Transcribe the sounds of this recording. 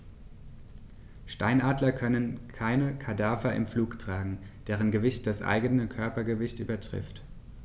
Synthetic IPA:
ʃta̰ɪnʔaːdlɐkʰœnənkʰaɪnəkʰadaːfɐʔɪ̰mfluːktʁ̥aːɡŋ̩d̥eːʁ̞ənɡəvɪçt̚d̥asʔa̰ɪɡənəkʰœɐpɐɡəvɪçtʔy̰ːbɐtʁ̥ɪ̰ft

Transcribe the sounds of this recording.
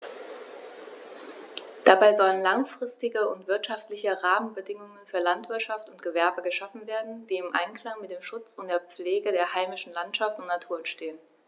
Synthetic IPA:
d̥abaɪzɔlənlaŋfʁ̥ɪstɪɡəʊntv̥ɪɐtʃaftlɪçəʁaːmənbədɪŋʊŋənfyːɐlantv̥ɪɐtʃaftʊntɡ̥əvɛɐbəɡəʃafn̩veːɐdn̩d̥iːɪmʔa̰ɪnkl̥aŋmɪt̚d̥eːmʃʊt͡sʊnt̚d̥eːɐp͡fleːɡədeːɐhaɪmɪʃn̩lantʃaftʊntnatʰuːɐɛnʃteːən

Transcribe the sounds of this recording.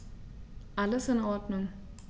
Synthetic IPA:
ʔaləsɪnɔːd̥nʊŋ

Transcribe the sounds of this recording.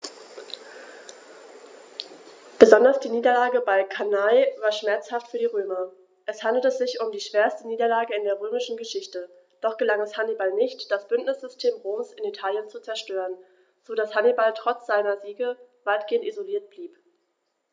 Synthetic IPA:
b̥əzɔndɐsd̥iːniːdɐlaːɡəbaɪkʰanaɪvaːɐʃmɛɐt͡shaftfyːɐdiːʁøːmɐ | ʔɛshandl̩təzɪçʊmdiːʃv̥eːɐstəniːdɐlaːɡəɪndeːɐʁ̞øːmɪʃn̩ɡəʃɪçtə | d̥ɔχɡ̥əlaŋɛshanibalnɪçtd̥asb̥ʏntnɪsz̥ʏstʰeːmʁoːmsɪnitʰaːljənt͡sut͡sɛɐʃtøːʁən | z̥oːdashanibaltʁ̥ɔt͡sz̥aɪnɐziːɡəvaɪtɡ̥eːəntizoliːɐt̚b̥liːp

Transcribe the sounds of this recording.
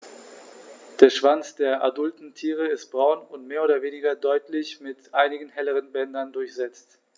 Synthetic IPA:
d̥eːɐʃv̥ant͡sd̥eːɐʔadʊltn̩tʰiːʁ̞əɪst̚b̥ʁaʊnʊntmeːɐoːdɐveːnɪɡɐdɔʏtʰlɪçmɪtʔaɪnɪɡŋ̩hɛləʁənbɛndɐndʊɐçz̥ɛt͡st

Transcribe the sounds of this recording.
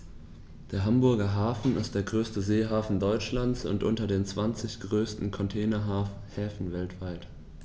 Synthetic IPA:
d̥eːɐɦambʊɐɡɐɦaːfn̩ɪst̚d̥eːɐɡʁøːstəzeːɦaːfn̩dɔʏt͡ʃlant͡sʊ̰ntʔʊntɐdeːnt͡sv̥ant͡sɪçɡ̥ʁøːstn̩kʰɔntʰɛːnɐɦaː | hɛːfn̩vɛltv̥aɪt

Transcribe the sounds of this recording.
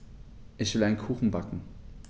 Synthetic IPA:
ʔɪçv̥ɪlaɪnkʰuːxn̩bakŋ̩

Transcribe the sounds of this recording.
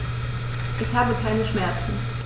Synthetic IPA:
ʔɛçhaːbəkʰaɪnəʃmɛɐt͡sn̩

